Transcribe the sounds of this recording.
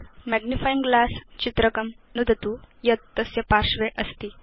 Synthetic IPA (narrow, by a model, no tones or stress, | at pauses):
mɛɡnifajiŋɡlast͡ɕit̪ɾəkəm | nud̪ʱət̪ujət̪ːəsjəpaɾʂʋeʔəst̪iː